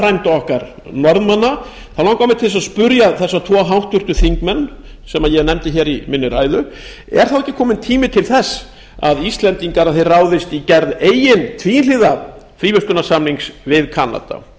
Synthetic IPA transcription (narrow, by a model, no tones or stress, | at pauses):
ɾajmt̪aɔhkaɾ | nɔɾðmanːa | θawlawŋkawmɪt̪ʰɪls̬aðspʏɾjaθɛsːat̪ʰvɔːɦawht̪ʏɾ̥t̪ʏθiŋkmɛnː | sɛmaðjɛɣnɛmt̪ɪçɛːɾimɪnːʏɾaːjðʏ | ɛ̰ɾ̥θawɛcːɪkʰɔːmɪnt̪ʰiːmɪt̪ʰɪlθɛsː | a̰ðist̪lɛnt̪iŋkaɾaðθejraːwðɪst̪icɛɾðeːjɪnt̪ʰviːjɪnlɪːða | fɾiːvʏskʏnasamliŋksvɪðkʰana̰t̪a̰